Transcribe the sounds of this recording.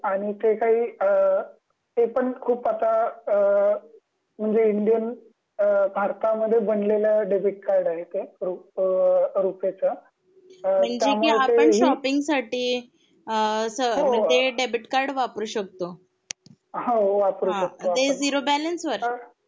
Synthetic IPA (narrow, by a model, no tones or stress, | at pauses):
aɽ̃it̪ekaɦiː | t̪epəɳkʰuːpat̪a | m̤əɳd͡zeiɳɖijən | bʱaɾt̪aməd̪ʱːjebənlelaɖebiʈ̚kaɾɖaɦet̪eɾu | ɾupjat͡sa | m̤əɳd͡ʑ̪jemiːeaeəɳɕɔpiŋɡsaʈiː | əsəɦoət̪eɖebiʈkaɾɖʋapəɾuːɕək̚t̪o | ɦoʋapɾuɦãək̚t̪oat̪ed͡ziɾobælənsʋəɾ